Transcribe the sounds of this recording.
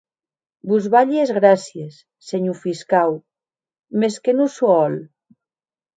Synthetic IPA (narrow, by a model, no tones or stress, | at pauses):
buzβaʎezɣɾasjesːeɲufiskaw | meskenusoɔl